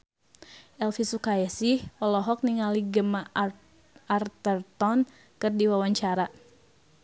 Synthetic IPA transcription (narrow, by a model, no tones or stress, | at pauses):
ʔɛlfisukaɛsihɔlɔɦɔk̚niŋaliɡəma | ʔart̪ərt̪ɔn | kərdiwawaɲt͡ʃaɾa